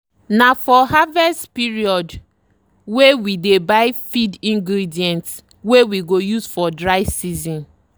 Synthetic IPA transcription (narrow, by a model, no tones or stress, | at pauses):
nafɔɦavɛstpiɹiɔd | wewidebaɪfidĩŋɡɹidiɛ̃nt | wewiɡojusfɔdɹaɪvsizɔ̃n